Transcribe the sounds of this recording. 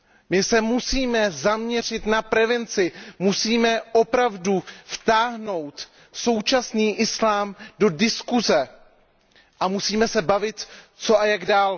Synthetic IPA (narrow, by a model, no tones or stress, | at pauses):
mɪsɛmusiːmɛzamɲɛr̝ɪt̪napɾɛvɛnt͡sɪmusiːmɛʔo̞pɾavduft̪aːɦno̞wt̪ | so̞wt͡ʃasniːʔɪslaːmdo̞dɪskuzɛ | ʔamusiːmɛsɛbavɪt̪ | t͡so̞ʔajaɡdaːl